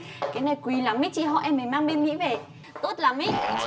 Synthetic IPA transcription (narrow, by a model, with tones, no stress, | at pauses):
kaː˨˦jna˨˩jkwi˨˩˦laː˨˩˦mi˦˥t̚t͡ɕḭ˧ɦɔ̰˧˨ʔɛ˧mːe˨˩maː˧ŋɓe˧nŋḭ˧˥ve˨˩ | t̪o˦˥t̚laː˨˩mi˦˥t̚